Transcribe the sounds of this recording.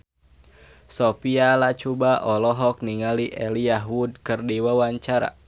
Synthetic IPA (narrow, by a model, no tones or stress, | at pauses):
sɔpialat͡ʃubaʔɔlɔɦɔk̚niŋaliʔɛliaɦwud̚kɨrdiwawaɲt͡ʃaɾa̰